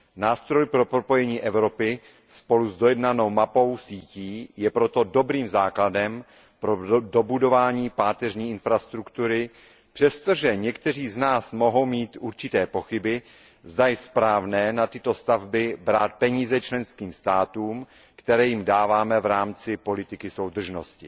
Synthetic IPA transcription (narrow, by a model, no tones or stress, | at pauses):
naːst̪ɾo̞jpɾo̞pɾopo̞jɛɲiːʔɛvɾo̞pɪ | spo̞luzdojɛdnano̞wmapo̞wsiːciːjɛpɾo̞t̪o̞do̞bɾiːmzaːkladɛm | pɾodo̞budo̞vaːɲiːpaːt̪ɛrɲiːʔɪnfɾast̪ɾukt̪uɾɪ | pr̥ɛst̪o̞ʒɛɲɛkt̪ɛr̝iːznaːsmo̞ɦo̞wmiːt̪ʔuɾt͡ʃɪt̪ɛːpo̞xɪbɪ | zd̪ajɛspɾaːvnɛːnat̪ɪt̪o̞st̪avbɪbɾaːt̪̚pɛɲiːzɛt͡ʃlɛnskiːmst̪aːt̪uːm | kt̪ɛɾɛːjɪmdaːvaːmɛvɾaːmt͡sɪpo̞lɪt̪ɪkɪso̞wd̪r̩ʒno̞scɪ